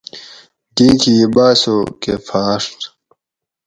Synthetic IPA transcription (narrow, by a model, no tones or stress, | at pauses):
diːkʰiːbaːsokefʰaːʂʈ